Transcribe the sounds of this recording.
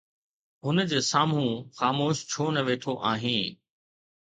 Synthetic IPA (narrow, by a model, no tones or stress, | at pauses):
ɦʊnəd͡ʑeːsaːm̤ũxaːmoːʃt͡ɕʰoːnɐʋeːt̪ʰoʔaːɦĩː